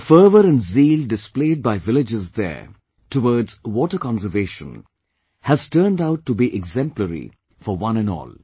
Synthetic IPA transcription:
fəːʋəɾæ̃nziːlɖɪspleːd̚baɪʋɪlɪd͡ʒɪzd̪ə̰ː | tʰəwɔdz̥wɔʈəkɑ̃nsəɾveːʃə̰̃n | hæz̥tʰəːndaʊʈːubiʔɛɡzɛ̃mpləɾḭ | fɔʋʌ̃nɛ̃nɔ̰ːl

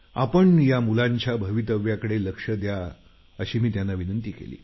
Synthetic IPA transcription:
a̰pəɳjamulaɲt͡ɕjabʱəʋit̪əʋjakəɽeləkʂəd̪ja | əɕiːmiːt̪janːaʋinənt̪iːkḛlḭː

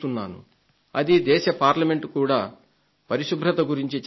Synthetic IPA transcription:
t̪unːa̰ːnṵ | ɐd̪id̪ɛːʃɐpaːɾlɐme̞ɳʈkuːɽaː | pɐɾiʃubʱɾɐt̪ɐɡuɾiɲt͡ʃit͡ʃ

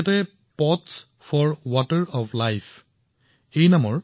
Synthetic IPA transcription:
tɛ | pɔts | pʰɔɹwɔtəɹɔplajpʰ | ejnamɔɹ

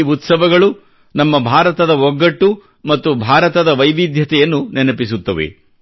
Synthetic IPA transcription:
ut̪sɐʋɐɡɐɭu | nɐmːɐbʱaːɾɐt̪ɐd̪ɐɔɡːɐʈːu | mɐt̪ːubʱaːɾɐt̪ɐd̪ɐʋɐjʋid̪ʱjɐt̪ɛjɐnːunɛnɐpisut̪ːɐʋḛ

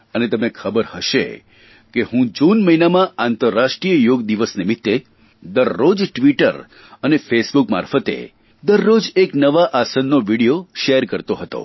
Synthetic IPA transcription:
ənet̪əmekʰəbəɾhəʃḛ | kehũd͡ʒunməinamãant̪əɾːaʃʈɾijəjoɡd̪iʋəsnimit̪ːe | d̪əɾːod͡ʒʈʋiʈə̰ɾ | ənefesbukma̰ɾfət̪ḛ | d̪əɾːod͡ʒeknəʋaʔasənːoʋiɽijoʃeɾkəɾt̪oɦət̪o̰

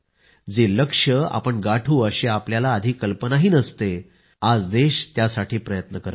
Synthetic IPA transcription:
d͡zeləkʂəa̰pəɳɡaʈʰuːəɕeapljalaːd̪ʱiːkːəlpənaɦiːnəst̪e | ad͡zd̪eɕt̪jasaʈʰiːpɾəjət̪nəkəɾ

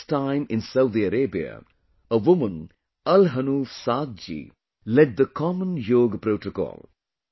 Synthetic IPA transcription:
tãɪ̃mɪ̃nsaʊd̪iəɾeːbiə̰ | əʋʊmə̃n | ʌlɦənuːfsaːd̪̚d͡ʒḭ | lɛɖ̚d̪əkʰɔmə̃njoːɡpɾoːʈokɔ̰ːlˠ

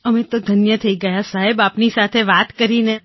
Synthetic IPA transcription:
əmẽt̪od̪ʱənjət̪ʰəiɡɐjasaɦebaːpnisat̪ʰeʋaːt̪kəɾine

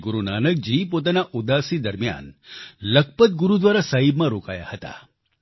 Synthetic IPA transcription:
ɡuɾunanək̚d͡ʑiːp̬ot̪̬anaʔud̪asid̪əɾmja̰nlək̚pət̪̚ɡuɾud̪ʋaɾasaɦibmaɾokaja̰hət̪a̰

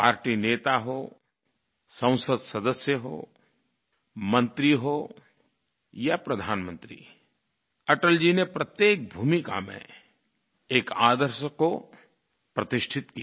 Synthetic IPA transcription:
paːɾʈineːt̪aɦo | sɐ̃ʊ̃səd̪sɐd̪əsjəɦo̰ː | mə̃nt̪ɾiɦo | japɾɐd̪ʱaːnmə̃nt̪ɾḭ | ɐʈəld͡ʒinepɾɐt̪jeːk̚bʱuːmika̰mḛ̃ | eːkaːd̪əɾʃəko | pɾɐt̪ɪʃʈʰɪt̪ki

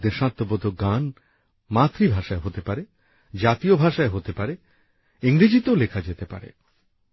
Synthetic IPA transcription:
d̪eʃãt̪ːobod̪ʱoɡan | mat̪ːɾibʱaʃaeɦot̪epaɾe | d͡ʑat̪iobʱaʃaeɦot̪epaɾe | iŋɾid͡ʑit̪oolekʰad͡ʑet̪epa̰ɾḛ

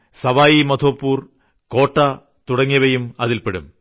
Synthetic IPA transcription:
sɐʋaːjimɐt̪ʰo̞ːpːuːr | koːʈːɐ | t̪uɽɐŋːjɐʋɐjumɐðilpeɽum

